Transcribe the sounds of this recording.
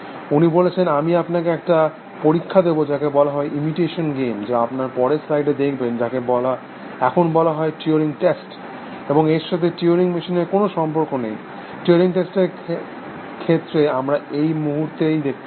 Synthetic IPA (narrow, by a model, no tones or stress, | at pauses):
unibolet͡ɕʰenamiapnakeɛkʈa | poɾikʰːad̪ebod͡ʑakebɔlaɦɔeʔimiʈeʃonɡemd͡ʑeapnaɾpɔɾesɾajɖed̪ekʰbend͡ʑakebɔla | ɛkʰonbɔlaɦɔeʈioɾiŋʈesʈ | eboŋeɾʃat̪ʰeʈioɾiŋmiʃineɾkonoʃɔmpoɾkonej | ʈioɾiŋʈesʈeɾ | kʰet̪ːɾeamɾaejmuɦuɾt̪ejd̪ek̚ʰb